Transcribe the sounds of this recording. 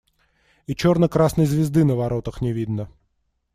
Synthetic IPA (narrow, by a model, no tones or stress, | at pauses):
it͡ɕornəkɾasnəjzvʲɪzd̪ɨnəvɐɾot̪əxnʲɪvʲid̪nə